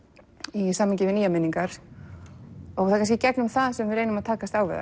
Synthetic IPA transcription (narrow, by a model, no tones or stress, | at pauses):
isaːmːɪɲcɪvɪniːjamɪniŋkaɾ̥ | ɔɣθaðkans̬cɪcɛknʏmθaðsɛmvɪɾejnʏmaðt̪ʰaːkast̪aːwvɛ̰ða̰